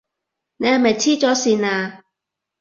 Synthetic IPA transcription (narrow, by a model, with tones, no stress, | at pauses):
ne˨˧jhɐ˨jmɐ˨jt͡sʰiː˥t͡sɔː˨˥siː˨naː˧